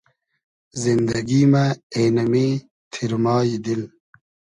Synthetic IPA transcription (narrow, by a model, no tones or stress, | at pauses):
zind̪ɐɡimaeːnɐmeː | t̪ʰiɾmɑːjd̪il